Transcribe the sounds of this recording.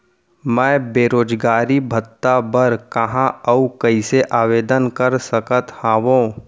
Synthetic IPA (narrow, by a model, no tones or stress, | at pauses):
mɛ̃ːbeːɾoːd͡ʒɡaːɾibʱət̪ːabəɾkəɦãəukɐiseʔaːʋeːd̪ənkəɾsəkət̪hãːʋõː